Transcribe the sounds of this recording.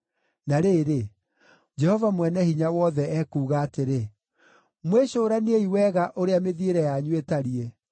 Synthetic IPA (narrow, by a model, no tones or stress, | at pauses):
naɾeɾe | d͡ʒɛhɔvamwɛnɛhiɲawɔðɛɛkuːɣaːteɾe | mweɕoːɾaneeiwɛɣaʔoɾeameðieɾɛjaɲwetaɾie